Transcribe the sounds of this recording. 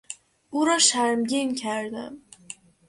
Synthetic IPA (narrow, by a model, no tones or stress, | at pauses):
ʔuːɾɒːʃæɾmɟiːncʰæɾd̪æ̰m